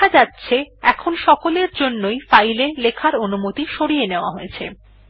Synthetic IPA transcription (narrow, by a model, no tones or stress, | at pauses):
ad͡ʑatːɕʰeɛkʰonʃɔkoleɾd͡ʑonːojfajlelekʰaɾonumot̪iʃoɽijeneoaɦoet͡ɕʰe